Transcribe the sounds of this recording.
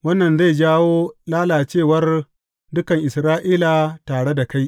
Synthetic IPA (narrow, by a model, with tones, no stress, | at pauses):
wɐ˦nːɐ˨nza˦˨jd͡ʒaː˦woː˦laː˦laː˨t͡ʃeː˦˨wɐ˦r | dʊ˦kɐ˨ŋʔɪ˨sɾaː˦ʔiː˦la˨taː˨ɽe˦da˨ka˦j